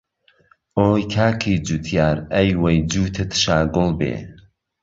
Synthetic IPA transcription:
ʔoːjkʰaːkʰiːd͡ʒut̪ʰjaːɾɐjwɐjd͡ʒuːt̪ʰɨt̪ʃaːɡʊlbḛː

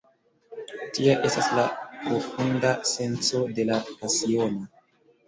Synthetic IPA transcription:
tiaʔe̞staslapɾo̞fundase̞nt͡so̞de̞lapasio̞no

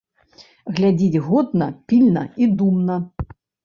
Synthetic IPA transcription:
ɣlʲad͡zʲid͡zʲɣɔd̪nɐpʲilʲnɐ̰id̪umnɐ

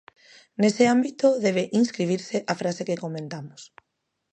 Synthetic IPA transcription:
nesɪambit̪ʊðɛβeʔinskɾiβ̞iɾsɪʔafɾasekekomẽnt̪amʊs

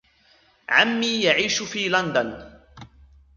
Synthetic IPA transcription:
ʕamːiːjaʕiːʃʊfiːland̪an

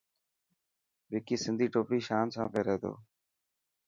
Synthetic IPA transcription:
ɓɪːkiːsɪnd̪ʱiːʈoːpiːʃaːnsã̰ːpeːɾeɦd̪o̰ː

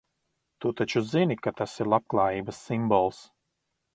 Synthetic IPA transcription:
t̪ut̪at͡ʃuzinikat̪asiɾlˠap̚klˠɑːjiːbɐsːimbɔlˠs

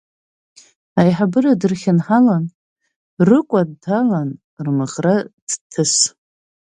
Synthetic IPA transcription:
ajħabɨradɨrχʲɪnħalan | rɨkʷʼaddʰalan | rmɨʁrad̥tʰɨs

